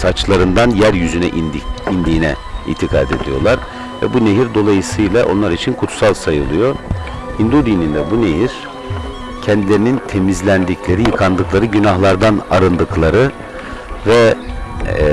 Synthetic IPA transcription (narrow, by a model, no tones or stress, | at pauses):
sat͡ʃlˠaɾɯnd̪anjæɾjyzynɛʔind̪iːnɛḭːt̪ʰikʰa̰ːd̪e̞̰d̪ijo̞̰ɾlˠaɾ | vɛ̰buneɦiɾd̪o̞lˠajɯsɯjlˠaʔo̞̰nlˠaɾit͡ʃʰinkʰut̪salˠsajɯ̰lˠɯjo̞ | ind̪ud̪inind̪ɛbuneɦiɾ̥ | cʰɛnd̪ilʲe̞ɾinint̪ʰe̞mizlʲænd̪icʰlʲe̞ɾijɯkʰand̪ɯklˠaɾɯɟynaɦlˠaɾd̪anaɾɯnd̪ɯklˠaɾɯ | vɛ